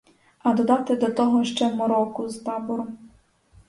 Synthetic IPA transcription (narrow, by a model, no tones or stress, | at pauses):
ɐd̪ɔd̪ɑt̪ɪd̪ɔt̪ɔɦɔʃt͡ʃɛmɔɾɔkʊzt̪ɑbɔɾʊm